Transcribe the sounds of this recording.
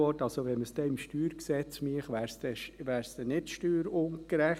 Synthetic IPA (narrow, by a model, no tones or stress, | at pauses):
ɔːtɑlsoʋɛməsd̥ɛɪmʃtyːɾksɛt͡smiəχʋæːɾsd̥ɛʃʋæːɾsd̥̪ɛnɪtʃtyːɾonkɾæχ